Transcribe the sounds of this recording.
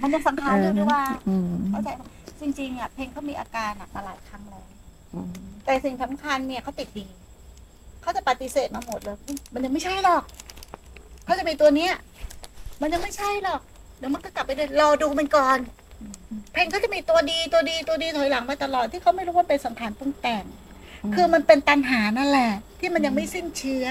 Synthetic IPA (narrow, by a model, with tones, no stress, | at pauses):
ma˧nja˧ŋsa˨˦mkʰaː˧nɤː˧duː˧˥˩waː˩˧˥kʰa˥˩t͡ɕa˨˩ja˧˩t͡ɕi˧ŋt͡ɕi˧ŋʔa˨˩pʰeː˧ŋkʰa˦˥˩miː˧ʔa̰ː˧kaː˧nːa˨˩maː˧laː˨˦jkʰa˧˥mlɛː˦˥w | t̪ɛː˨˩si˨˩ŋsa˩˦mkʰa˧nːi˦˥˩ɐkʰa˦˥wt̪i˨˩t̪̚diː˧ | kʰa˦˥wt͡ɕa˨˩pa˨˩t̪i˧˦seː˨˩t̪̚maː˧mo˨˩t̪̚lɤː˧jɯ˧˩ma˧nja˧ma˥˩jt͡ɕʰa˥˩jlɔ˨˩k̚ | a˦˥wt͡ɕa˨˩ʔmiː˧t̪u˧ɐni˦˥ɐ˦ | ma˧nja˧ŋma˥˩jt͡ɕʰa˥˩jlɔː˨˩k̚ | lɛː˨˦˥wma˧nkɔ˥˩kla˨pːa˧jdu˥˩˨lɔː˧duː˧ma˧nkɔː˨˩n˧ | pʰeː˧ŋkʰɔ˥˩t͡ɕa˨˩miː˧t̪u˧ɐdiː˧t̪u˧ɐdiː˧t̪u˧diː˧t̪ʰɔː˨˦jla˩˦ŋpa˧jt̪a˧lɔː˨˩t̪ʰːiː˥˩a˦˥˩ma˥˩jɾuː˦˥wa˥˧pe˧nsa˩˦mk̪ʰaː˧npu˥˩ŋt̪ɛː˧˩ŋ | kʰɯː˧ma˧npe˧nt̪a˧nɦaː˩˦na˥˩nlɛ˨˩ʔt̪ʰiː˥˩ma˧nja˧ŋma˥˩jsi˥˩nt͡ɕʰɯ˦˥ɐ